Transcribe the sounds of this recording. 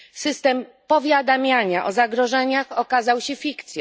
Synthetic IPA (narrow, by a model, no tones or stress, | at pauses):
sɘst̪ɛmpɔvʲjad̪amʲjaɲaʔɔzaɡɾɔʐɛɲaxɔkazawɕɛfʲikt̪sʲj